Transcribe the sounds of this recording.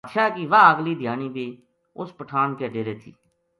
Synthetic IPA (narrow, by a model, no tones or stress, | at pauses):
t̪ʃaːkiʋaːəɡliːd̪ʱjaːniːbiː | ʊspəʈʰaːnkeːɖeːɾeːt̪ʰḭː